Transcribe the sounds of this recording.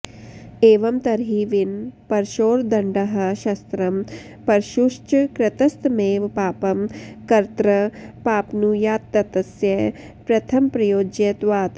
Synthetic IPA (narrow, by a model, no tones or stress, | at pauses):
eːʋɐmt̪ɐɾɦiːʋinpɐɾʃoːɾd̪ɐɳɖɐɦɐ̆ʃɐst̪ɾɐm | pɐɾʃuʃt͡ʃkɾɐt̪ɐst̪meːʋpaːpɐmkɐɾt̪ɾɐpaːpnujaːt̪ːɐt̪ɐsjɐ | pɾɐt̪ʰɐmpɾɐjoːd͡ʒjɐt̪ʋaːt̪